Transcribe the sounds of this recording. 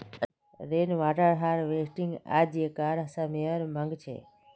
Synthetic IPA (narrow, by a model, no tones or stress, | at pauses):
ɾeːnʋaːʈəɾɦaːɾʋeːsʈɪŋɡa̰ːd͡ʒeːkaːɾəsaːmeəɾmə̃ŋɡt͡ʃʰḛː